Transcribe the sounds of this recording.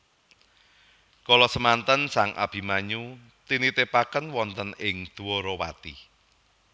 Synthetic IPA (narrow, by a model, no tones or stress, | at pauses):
kɔlɔsəmant̪ənsaŋʔa̰b̥i̤maɲu | t̪init̪epakənwɔnt̪ənɪŋd̪̥uwɔɾɔwa̰t̪i